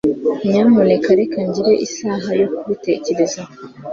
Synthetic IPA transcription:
ɲamonekaɾekaɲɟiɾe̞ʔisaːɦajo̞kuβite̞ce̞ɾeza

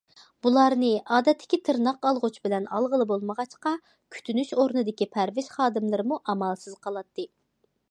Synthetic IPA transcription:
b̥ulˠɑɾnɨɑːd̪ɛt̪ʰːɪ̥kʲit̪ʰɨɾnɑqɑlˠʁʊt͡ʃbɪlɛnɑ̰lˠʁəlˠɨbolˠməʁɑt͡ʃqɑ | kʲʰy̥t̪ʰynyʃoɾnɨd̪ɪkʲipʰæɾvɪʃχɑːd̪ɨmlˠɨɾɨmuʔɑmɑlˠsɨz̥qʰɑlˠɑt̪ʰːɨ

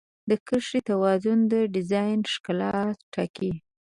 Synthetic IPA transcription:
d̪əkəʂit̪awɑzʊnd̪əɖɪzɑjnʂkalɑt̪ʈʰaki

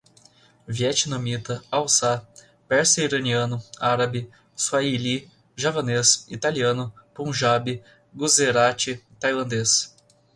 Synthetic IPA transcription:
viɛt͡ʃinomit̪ɐawsa | pɛɾseiɾɐniɐ̃nʊaɾabɪ | suaili | ʒapɐnesḭt̪aliɐ̃nʊpõʒabɪ | ɡuzeɾat͡ʃɪt̪ajlɐ̃nd̪es

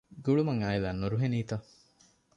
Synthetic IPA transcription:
ɡuɭumɐŋaːilaːnːuɾuɦeniːt̪ɐ

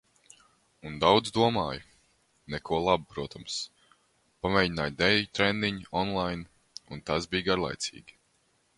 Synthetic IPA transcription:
und̪awd̪zd̪uɔmaːj | nɛkuɔlˠabupɾuɔt̪ams | pamɛjɲinaːjd̪ɛjt̪ɾɛnd̪iɲɔnlˠajn | unt̪asbijɡaɾlˠa̰jt̪sḭːɡʲi̥

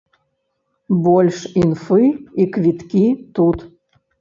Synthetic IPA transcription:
bolʲʂinfɨikvʲit̪kʲit̪ut̪

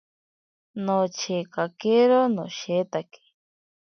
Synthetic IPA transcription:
not͡ʃʰekakeɾonoʃet̪ake̥

